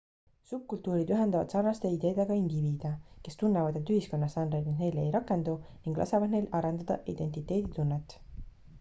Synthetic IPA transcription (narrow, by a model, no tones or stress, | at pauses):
sup̚kult̪uːɾid̪yɦe̞nd̪ɑvɑ̰d̪̥sɑrnɑst̪e̞id̪e̞ːd̪̥e̞ɡ̥ɑind̪iviːd̪̥ɑke̞st̪unːevɑd̪et̪ːyɦisko̞nːɑsɑnɾejd̪niŋne̞jlejɾɑkːˑe̞nd̪uniŋɡ̥lʔɑ̰sevɑd̪ne̞jlɑɾend̪ɑd̪̥ɑ̰ʔḭd̪̥e̞nt̪it̪ːˑe̞ːd̪̥it̪unːet̪ːˑ